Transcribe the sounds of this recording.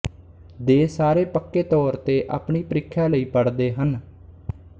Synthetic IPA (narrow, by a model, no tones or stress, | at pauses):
d̪eːsaːɾeːpəkːeːt̪ɔːɾt̪eːʔa̰ːpɳiːpəɾɪkʰːjaːləiːpəɽd̪eːɦən